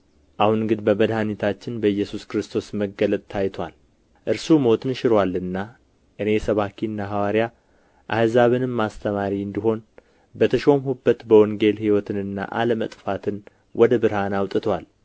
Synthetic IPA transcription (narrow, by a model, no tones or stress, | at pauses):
ʔahunɨŋɡɨd̪bəbəd̪hanit̪ʰat͡ʃːɪnbəjːɛsuskɾɨst̪ʰo̞sməɡələt̪ʼt̪ʰajt̪ʰwa̰l | ʔɨɾsumo̞t̪ʰɨnʃɪɾwalːɨnːa | ʔɨne̞jɛsəβakiɨnːaɦawaɾja | ʔa̰hzaβɨnɨmːast̪ʰəmaɾiɨnd̪iɦo̞n | bət̪ʰəʃo̞mhubːət̪bəwɔŋɡe̞lhiwɔt̪ʰɨnɨnːa̰ʔa̰ləmət̪ʼfat̪ʰɨn | wʔɔd̪əbɨɾhanawt̪ʼɨt̪ʰwal